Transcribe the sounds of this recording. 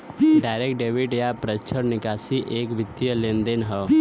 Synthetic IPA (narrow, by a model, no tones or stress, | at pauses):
ɖaːɪɾekʈ̚ɖeːʋɪʈjapɾət͡ʃʰəɾnɪkaːsiʔeːkʋɪt̪ːjəlẽːnd̪enɦə